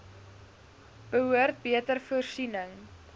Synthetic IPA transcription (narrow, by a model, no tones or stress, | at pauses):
b̥əɦuərt̚biətərfuərsinəŋ